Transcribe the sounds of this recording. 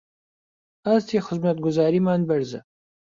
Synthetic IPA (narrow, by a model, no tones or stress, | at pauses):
azt̪ʰeːxɪzmɐt̪̚ɡʊzaːɾimaːnbɐɾzɐ̰